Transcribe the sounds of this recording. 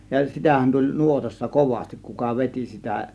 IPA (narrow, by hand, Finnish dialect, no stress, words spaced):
jɑ sitæhæn tulʲ nuotɑsːɑ koʋɑstik kukɑ ʋetʲi sitæ